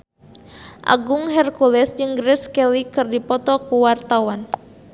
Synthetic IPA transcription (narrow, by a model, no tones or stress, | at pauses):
ʔa̰ɡuŋɦɛrkulɛsd͡ʒɨŋɡɾɛskɛlikɨrdipɔt̪ɔkuwart̪awan